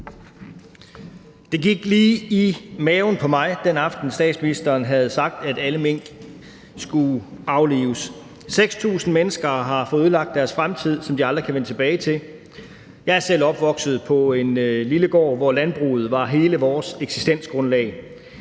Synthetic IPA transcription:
d̥e̝ɡiɡ̥liːimɛːʊn̩pʰɒ̽mɑ̈ɪd̥enɑ̈fd̥n̩sd̥ɛ̰ːd̥sminisd̥ɐːnɦæð̞̩ˠsɑ̈ɡ̥̚d̥æd̥æləmeŋ̰ɡ̥ | sɡ̥uɑ̈ʊlḭːʊəs | seɡ̥st͡sʰṵːsn̩menəsɡ̥ɐɦɑ̈fɔ̽ðˠuðˠlɑ̈ɡ̥̚d̥æɐsfʁamt͡sʰið̞̰ˠsɒ̽md̥iɑ̈nd̥ʁɐkʰæʋenət͡sʰe̝b̥ɛːɪt͡sʰe̝l | jɑ̈ɪæɐsel̰ɒ̽b̥ʋɒ̽ɡ̥sð̩ˠpʰɒ̽e̝nliləɡ̥ɒ̰ːʋɒlænb̥ʁṵːð̞̩ˠʋɑ̈ɦe̝ːləʋɒːseɡ̥si̥sd̥en̰sɡ̥ʁɔ̽nlɛ̰ɪ

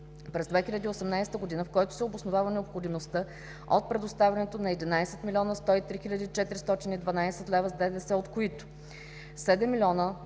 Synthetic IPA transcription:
pɾɛzd̪vɛxilʲɐd̪iːosɛmnajst̪əɡod̪inəfkɔjt̪ʊ̥sɛobosnovavənɛopxod̪imost̪ɤ | o̰t̪̚pɾɛd̪ost̪avʲɐnɛt̪onɐɛd̪inajsɛt̪milʲɔnəst̪ɔit̪ɾixilʲɐd̪iːt͡ʃɛt̪ɾist̪ɔt̪inid̪vɐnajsɛt̪lɛvəzd̪ɛd̪ɛsɛot̪koit̪ʊ̥ | sɛd̪ɛmːilʲɔnə

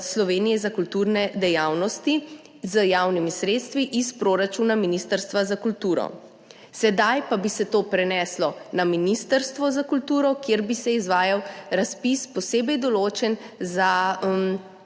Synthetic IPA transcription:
slɔʋeːnijɛzakult̪uːɾnɛd̪ɛjaːwnɔst̪i | zəjawnimisɾeːt̪st̪ʋiʔispɾoɾat͡ʃuːnaminist̪əɾst̪ʋazakult̪uːɾɔ̰ | sɛd̪ajpabisɛt̪oːpɾɛnɛslɔnaminist̪əɾst̪ʋɔzakult̪uːɾɔkjeɾbisɛizʋaːjawɾaspispɔseːbɛjd̪ɔloːt͡ʃɛnzam

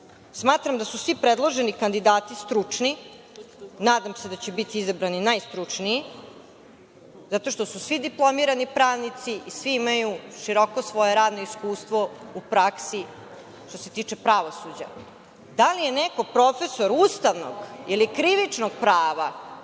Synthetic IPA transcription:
smaːt̪ɾamd̪asusʋipɾed̪lˠoʒenikand̪id̪aːt̪ist̪ɾut͡ʂni | naːd̪amsed̪at͡ɕebit̪iizabɾaninajst̪ɾut͡ʂnii | zat̪o̞ʃt̪osusʋid̪iplˠo̞miɾanipɾaːʋnit̪siʔisʋiimajuʃiɾo̞kosʋo̞jeɾaːd̪no̞iskuːst̪ʋo̞upɾaksi | ʃt̪ose̞t̪iːt͡ʂe̞pɾaʋo̞sud͡ʑa̰ | d̪alije̞neko̞pɾo̞fe̞so̞ɾuːst̪aʋno̰ɡilikɾiʋit͡ʂnoɡ̚pɾaːʋa

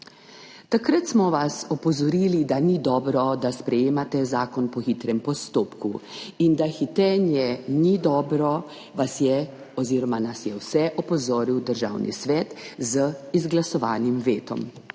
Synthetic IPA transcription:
t̪akɾat̪smɔʋasɔpɔzɔɾiːlid̪anid̪ɔːbɾɔd̪aspɾɛjeːmat̪ɛzaːkɔnpɔxit̪ɾɛmpɔst̪oːpkuind̪axit̪ɛːnjɛnid̪ɔːbɾɔ | ʋasjɛ | ɔziːɾɔmanasjɛwsɛʔɔpɔzoːɾiwd̪əɾʒa̰ːwnʔḭsʋɛːt̪zəizɡlasɔʋa̰ːnimʋeːt̪ɔ̰m

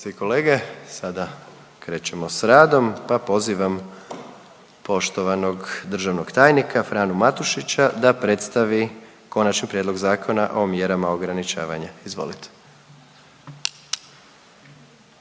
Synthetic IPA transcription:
seiko̞leːɡe̞sad̪a | kɾe̞ːt͡ɕe̞mosɾaːd̪o̞mpapo̞ziʋam | po̞ʃt̪o̞ʋano̞ɡd̪r̩ʒaʋno̞ɡt̪aːjnikafɾaːnumat̪uʃit͡ɕad̪apɾe̞t̪st̪aʋi | ko̞nat͡ʃnipɾjed̪lo̞ɡzaːkʰo̞naʔo̞mje̞ɾamaoɡɾanit͡ʃa̰ːʋa̰ɲaizʋo̞̰lit̪ʰe̥

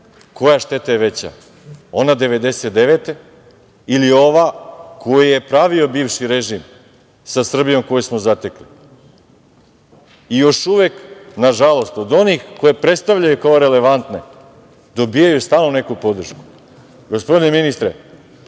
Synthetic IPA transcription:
ko̞jaʃt̪e̞t̪ajeʋe̞t͡ɕa̰ | o̞nad̪e̞ʋe̞d̪e̞set̪̚d̪eʋet̪e̞ | ilio̞ʋakʰo̞jije̞pɾaʋio̞biːvʃiɾeʒim | sasr̩bijo̞mko̞jismo̞zat̪e̞kli | ijo̞ʃuʋeknaʒalˠo̞st̪o̞d̪o̞nixko̞jepɾet̪st̪aʋʎajukaoɾe̞le̞ʋant̪ne̞ | d̪o̞bijajust̪aːlnone̞kupo̞d̪r̩ʃku̥ | ɡo̞spo̞d̪ineminist̪ɾe

